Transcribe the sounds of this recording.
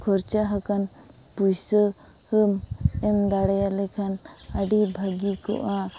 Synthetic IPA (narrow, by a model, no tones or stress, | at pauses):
kʰɔɾt͡ʃaɦakan | pujsə | həmemd̪aɽjalekʰan | aɖibʱaɡikɔ̰ʔã